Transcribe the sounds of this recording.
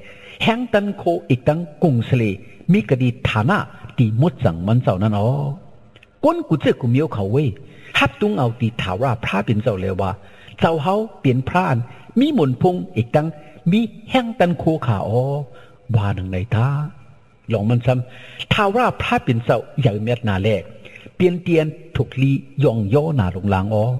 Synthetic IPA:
hɛ˧˥ŋt̪a˧˥nkʰoː˧ʔe˨˩k̚t̪a˧˥˨ŋko˧˩˨ŋsa˧leː˧˩miː˧˥˨ka˧diː˧˩t̪ʰːaː˨˧na̰˧˥˨t̪iː˨mo˧˦t̪̚t͡sa̰˨˦ŋma˧˥˨nt͡sa˧˩wna˧˥˨nʔɔː˨˧˦ | ko˧˥˨nkuː˧˦t͡sɨː˧˨ku˧˨˦mi˧˦ə˧wkʰa˨˦wːe˧˨j | ha˧p̚t̪u˧˦ŋʔa˨wt̪iː˨˦t̪ʰaː˨˩waː˧˩pʰɾaː˧˥˨pi˨˦nt͡sa˧˨wlɛː˧˩waː˧˩ | t͡sa˧˩˨wɦa˧˥˨wpi˨ənpʰɾaː˧˥˨nmiː˧˥˨mo˨˦npʰo˧˥˨ŋʔe˨˦k̚t̪a˧˥ŋmiː˧˥˨hɛ˧˥˨ŋt̪a˧˨nkʰoː˧˦kʰa̰ː˨˩ʔɔː˧˦ | waː˧˩na˨˩ŋda˨˧˩jt̪ʰaː˧ | lɔː˨˦ŋma˧˥˨nsa˧˥mt̪ʰaː˧waː˧˩pʰaː˧˥pe˨˦nsa˧˩wja˨˦wmɛ˧˩t̪̚naː˨˩lɛː˧˩k̚pi˨˧˨ənt̪i˧ənt̪ʰo˨˧˦k̚liː˧˥˨jɔ˧˨ŋjɔː˧˥˨naː˨˦lo˧˦ŋlaː˨˦ŋʔɔː˧˦

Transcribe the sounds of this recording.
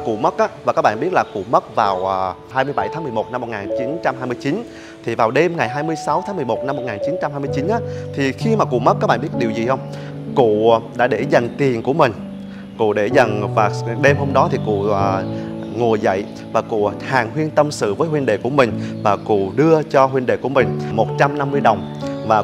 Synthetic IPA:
kṵ˧˨mə˦˥t̚ʔaː˨˦vaː˨˩kaː˦˥k̚ɓa̰ː˧˨˧ɓi˦˥ət̚laː˨˩kṵ˧˨mə˦˥t̚vaː˨˩wʔː | haː˧jmɨ˧jɓa˧˩jt̪ʰaː˨˦ŋm˨˩əmo˨˩t̚na˧mːo˨˩t̚ŋaː˨˩nt͡ɕi˨˦nt͡ɕa˧mhaː˧jmɨ˧əjt͡ɕi˨˦n | t̪ʰi˨˩vaː˨˩wɗe˧mŋa˨˩jɦaː˧jmɨ˧əjsa˨˦wt̪ʰaː˨˦ŋmɨ˨˩əjmo˨˩t̚na˧mː˨˩t̚ŋaː˨˩nt͡ɕi˨˦nt͡ɕa˧mhaː˧jmɨ˧jt͡ɕi˨˦nʔaː˨˦t̪ʰi˨˩xi˧maː˨˩kṵ˧˨mə˦˥a˦˥ɓaː˧˨ɓt̚ɗi˨˩əwzi˨˩hə˧wŋ͡m | kṵ˧˨ɗa̰ː˧˥ɗe˧˩zə˨˩jŋ̟t̪i˨˩ənku˧˩əmï˨˩ŋ̟ | kṵ˧˨ɗe˧˩zə˨˩nvaː˨˩ɗe˧mho˧mɗɔ˨˦t̪ʰi˨˩kṵ˧˨ə˨˩ŋu˨˩əzə̰˧˨j | vaː˨˩kṵ˧˨haː˨˩ŋɦwi˧ənt̪ə˧msɨ̰˧˨vəː˨˦jhwi˧ənɗḛ˧˨ku˧˩əmï˨˩ŋ̟vaː˨˩kṵ˧˨ɗɨ˧ət͡ɕɔ˧ɦwi˧nɗḛ˧˨ku˧˩ə˨mï˨˩ŋ̟mo˨˩t̚t͡ɕa˧mna˧mːɨ˧əjɗə˨˩wŋ͡mvaː˨˩

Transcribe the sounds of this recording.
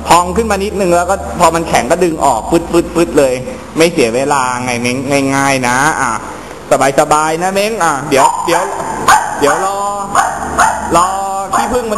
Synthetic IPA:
p̪ʰɔː˧ŋkʰɯ˥˩nmaː˧ni˦˥t̪̚nɯ˧ŋlɛː˦˥wkɔː˥˩pʰɔː˧ma˧nkʰɛ˩˦ŋkɔː˥˩dɯ˧ŋʔɔ̰ː˨˩k̚fɯ˦˥t̪̚fʰɯ˦˥t̪̚fɯ˦˥t̪̚lɤː˧j | ma˥˩jsi˩˦ɐweː˧laː˧ŋa˧jme˦˧˥ŋŋa˧˩jŋaː˥˩jna˦˥ʔa˧˩ | sa˧baː˧jsa˧baː˧jna˦˥me˦˥ŋʔaː˨˩di˨˦əwdi˨˩˦ə˦wdi˨˦əwlɔː˧ | lɔː˧t̪ʰiː˥˩pʰɯ˥˩ŋma˧

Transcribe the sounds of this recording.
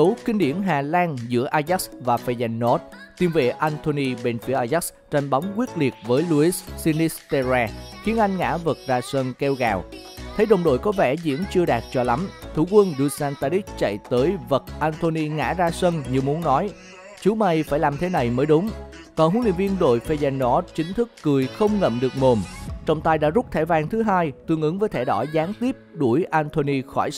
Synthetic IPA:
sə˨˦wkï˧ŋɗḭ˧˩ənɦaː˨˩laː˧nzɨ̰˧˥əʔaː˧za˦˥k̚vaː˨˩fa˧za˧˩ŋnɔ˦˥t̚t̪i˨˩mvḛ˧˨˩ʔa˧nt̪ʰo˧ni˧ɓe˧nfi˨˦əʔaː˧jza˦˥ | t͡ɕa˧jŋ̟ɓa˨˦wŋ͡mkwi˦˥ət̚li˨˩ət̚vəː˨˦jlu˧i˦˥ssi˧ni˦˥st̪e˧zaː˧xi˨˦ənʔa˧jŋ̟ŋa̰ː˧˥və˨˩t̚zaː˧sə˧nkɛ˧wɣaː˨˩w | t̪ʰə˨˦jɗə̰˨wŋ͡mɗo̰˧˨jkɔ˨˦vɛ˧˩zḭ˧˥ənt͡ɕɨ˧əɗaː˨˩t̚t͡ɕɔ˧la˨˦mt̪ʰu˧˩kwə˧nɗu˧saː˧nt̪aː˧ɾi˦˥k̚t͡ɕa̰˧˨jt̪əː˨˦jvə˨˩t̚ʔaː˧nt̪ʰo˧ni˧ŋa̰ː˧˥zaː˧sə˧nɲi˧˨əwmu˨˦nːɔ˨˦j | t͡ɕu˨˦ma˨˩jfaː˧˩jlaː˨˩mt̪ʰe˨˦na˨˩jməː˨˦jɗʊ˨˦ŋ͡m | k̪ɔː˨˧˩nhu˨˦nlḭ˧ənvi˧ənɗo̰˧˨jfe˧zɛ˧nːɔ˧˦t͡ɕï˨˦ŋ̟t̪ʰɨ˦˥kːɨ˨˩əjxə˧wŋ͡mŋə̰˧˨mɗɨ˨˩ək̚mo˨˩mt͡ɕɔ˧˩wŋ͡mt̪aː˧jɗa̰ː˧˥zʊ˦˥k͡p̚t̪ʰaː˧˩jvaː˧ŋt̪ʰɨ˨˦ɦaː˧jt̪ɨ˧əŋʔɨ˨˦ŋvəː˨˦jt̪ʰɛ˧˩ɗɔ˧˩zaː˨˦ŋt̪i˦˥əp̚ɗu˧˩əjʔaː˧nt̪ʰo˧ni˧xɔ˧˩j

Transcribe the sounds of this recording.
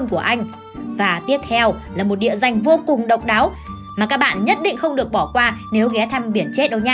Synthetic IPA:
nku˧˩əʔa˧jŋ̟ | vaː˨˩t̪i˦˥əp̚t̪ʰɛ˧wlaː˨˩mo˨˩t̚ɗḭ˧˨əza˨˩jŋ̟vo˧kʊ˨˩ŋ͡mɗə̰˧˨wk͡p̚ɗaː˨˦w | maː˨˩kaː˦˥k̚ɓa̰ː˧˨nɲə˦˥t̚ɗḭ̈˧˨ŋ̟xə˧wŋ͡mɗɨ˨˩ək̚ɓɔ˧˩kwaː˧ne˨˦wɣɛ˨˦t̪ʰɛ˧mɓi˧˩ənt͡ɕe˦˥t̚ɗə˨˩wɲaː˧

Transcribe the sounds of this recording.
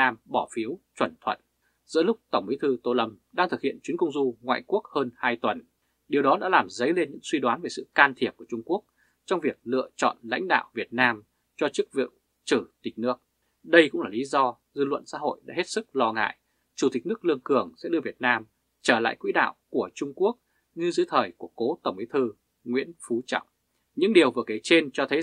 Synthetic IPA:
aː˧mɓɔ˧˩fi˨˦əwt͡ɕwə˧˩nt̪ʰwə̰˧˨n | z̥ɨ̰˧˥əlʊ˦˥k͡p̚t̪ə˧˩wŋ͡mmi˨˦jt̪ʰɨ˧t̪o˧lə˨˦mɗaː˧ŋt̪ʰɨ˨˩k̚hḭ˧˨ənt͡ɕwi˨˦nkə˧wŋ͡mzu˧ŋwa̰ː˧˨jku˦˥ək̚həː˧nhaː˧jt̪wə˨˩n | ɗi˨˩wɗɔ˨˦ɗa̰ː˧˥laː˨˩mzə˨˦jle˧nɲɨ̰˧˥ŋswi˧ɗwaː˨˦nve˨˩sɨ̰˧˨kaː˧nt̪ʰi˧˩əp̚ku˧˩t͡ɕʊ˧ŋ͡mku˦˥ək̚ | t͡ɕɔ˧wŋ͡mvi˨˩ək̚lɨ̰˧˨ət͡ɕɔ̰˧˨nla̰˧˥jŋ̟ɗa̰ː˧˨wvi˨˩ət̚naː˧m | t͡ɕɔ˧t͡ɕɨ˦˥k̚vḭ˧˨w | t͡ɕɨ˧˩t̪ï˨˩k̟̚nɨ˦˥ək | ɗə˧jkʊ̰˧˥ŋ͡mlaː˨˩li˨˦zɔ˧ | zɨ˧lwə̰˧˨nsa̰ː˧˥ɦo̰˧˨jɗa̰ː˧˥he˦˥t̚sɨ˦˥k̚lɔ˧ŋa̰ː˧˨j | t͡ɕu˧˩t̪ï˨˩k̟̚nɨ˦˥ək̚lɨ˧əŋkɨ˧˩əŋsɛ̰˧˥ɗɨ˧əvi˨˩ət̚naː˧m | t͡ɕəː˧˩la̰ː˧˨jkwḭ˧˥ɗa̰ː˧˨wku˧˩ət͡ɕʊ˧ŋ͡mku˦˥ək̚ | ɲɨ˧zɨ̰˧˦əjt̪ʰəː˨˩jku˧˩əko˨˦t̪ə˧˩wŋ͡mʔi˨˦t̪ʰɨ˧ | ŋwḭ˧˥ənfu˨˦t͡ɕɔ̰˧˨wŋ͡m | ɲɨ̰˧˥ŋɗi˨˩əwvɨ˨˩əkaː˨˦jt͡ɕe˧nt͡ɕɔ˧t̪ʰə˨˦

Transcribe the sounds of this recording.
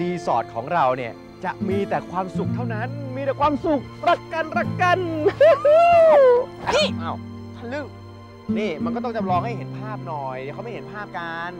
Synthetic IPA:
diː˧sɔː˨˩t̪̚kʰɔː˩˦ŋɾa˧wni˥˩ɐ | t͡ɕa˨˩ʔmiː˧t̪ɛː˨˩kʰwaː˧msu˨˩k̚t̪ʰa˥˩wna˦˥nmiː˧t̪ɛː˨˩kʰwaː˧msu˨˩k̚ɾa˦˧˩kːa˧nɾa˧˩kːa˧n˥ | a˧˥˩ʔa˧˩w | kʰa˥˩lɯ˥˩k̚ | niː˧˩ma˧nkɔ˥˩t̪ɔ˥˩t͡ɕa˨˩ɾɔː˧ŋha˥˩jhe˩˦npʰaː˥˩p̚nɔː˨˩jdkʰa˦˥˩ma˥˩˨he˩˦npʰaː˥˩p̚kaː˧n

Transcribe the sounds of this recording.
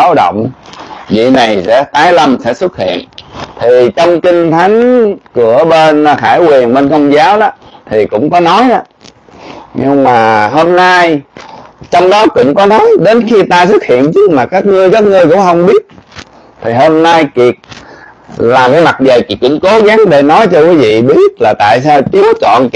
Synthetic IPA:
a˨˦wɗə̰˧˨wŋ͡mvḭ˧˨na˨˩jsɛ̰˧˥t̪aː˨˦jlə˧msɛ̰˧˥swə˦˥t̚hḭ˧˨ənt̪ʰi˨˩t͡ɕɔ˧wŋ͡mki˧ŋ̟t̪ʰa˨˦jŋ̟kɨ˧˩əɓe˧n˧xaː˧˩jkwi˨˩ənɓe˧nkə˧wŋ͡mzaː˨˦wɗɔ˨˦t̪ʰi˨˩kʊ̰˧˥ŋ͡mkɔ˨˦nɔ˨˦jʔa˧˦ | ɲɨ˧ŋmaː˨˩ɦo˧mna˧j | t͡ɕɔ˧wŋ͡mɗɔ˨˦kʊ̰˧˥ŋ͡mkɔ˨˦nɔ˨˦jɗe˨˦nxi˧t̪aː˧sɨ˦˥k̚hḭ˧˨ənt͡ɕɨ˦˥k̚maː˨˩kaː˦˥k̚ŋɨ˧əjkaː˦˥k̚ŋɨ˧jkʊ̰˧˥ŋ͡mhə˧wŋ͡mɓi˦˥ət̚ | t̪ʰi˨˩ɦo˧mna˧jki˨˩ək̚ | laː˨˩ŋ˨˦ma˨˩t̚zə˨˩jki˨˩kʊ̰˧˥ŋ͡mko˨˦ɣa˨˦ŋɗe˧˩nɔ˨˦jt͡ɕɔ˧kwi˨˦vḭ˧˨ɓi˦˥ət̚laː˨˩t̪a̰ː˧˨jsaː˧wt͡ɕi˨˦əwt͡ɕɔ̰˧˨n

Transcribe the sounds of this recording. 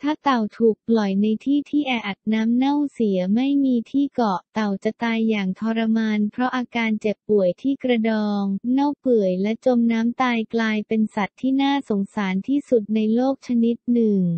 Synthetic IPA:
t̪ʰaː˥˩t̪a˨˩wt̪ʰuː˨˩k̚plɔ˨˩jna˧jt̪ʰiː˥˩t̪ʰiː˥˩ʔɛː˧ʔa˨˩t̪̚naː˦˥mna˥˩wsi˩˦ɐma˥˩jmiː˧t̪ʰiː˥˩kɔ˨˩ʔt̪a˨˩wt͡ɕa˨˩t̪aː˧jːaː˨˩ŋt̪ʰɔː˧ɾa˧maː˧npʰɾɔ˦˥ʔaː˧kaː˧nt͡ɕe˨˩pːu˨˩əjt̪ʰiː˥˩kɾa˧dɔː˧ŋna˥˩wpɯ˨˩əjlɛ˦˥t͡ɕo˧mnaː˦˥mt̪aː˧jklaː˧jpe˧nsa˨˩t̪ʰːiː˥˩naː˥˩so˩˦ŋsaː˩˦nt̪ʰiː˥˩su˨˩t̪̚na˧jloː˥˩k̚t͡ɕʰa˧ni˦˥t̪̚nɯ˨˩ŋ

